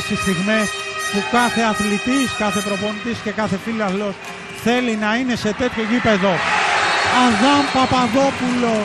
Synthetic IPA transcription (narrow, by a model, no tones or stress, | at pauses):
sist̪iɣme̞spukɐθe̞ɐθlit̪iskɐθe̞pɾo̞po̞nit̪isce̞kɐθe̞filoɐθlos | θe̞linɐine̞se̞t̪e̞t̪ço̞ʝipe̞ðo̞ | ɐðɐmpɐpɐðo̞pulo̞